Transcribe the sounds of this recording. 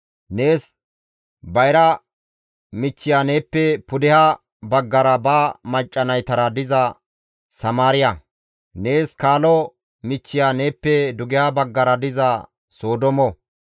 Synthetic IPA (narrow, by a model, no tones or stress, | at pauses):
ne̞ːs | bɐjɾɐ | mɪt͡ʃːɪjane̞ːpːɛpʊd̪ɪhɐ | bɐɡːɐɾɐbaːmɐt͡ʃʼːɐnɐjt̪ɐɾɐd̪ɪzɐ | sɐmaːɾɪjɐ | ne̞ːskaːlɔ | mɪt͡ʃːɪjane̞ːpːɛd̪ʊɡɪhɐbɐɡːɐɾɐd̪ɪzɐ | so̞ːd̪ɔmɔ